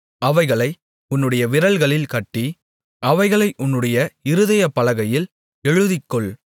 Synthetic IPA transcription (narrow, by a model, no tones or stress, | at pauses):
ɐʋɐɪɣɐɭɐɪ | ʊnːɯɽɐjɐʋɪɾɐlɣɐɭɪlkɐʈːi | ʔɐʋɐɪɣɐɭɐɪʔʊnːɯɽɐjɐɪɾɯðɐjɐpːɐlɐɣɐjɪl | ɛɻɯðɪkːɔɭ